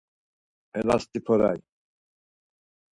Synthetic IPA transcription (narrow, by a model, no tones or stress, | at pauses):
ɛlast̪ipʰɔɾa̰j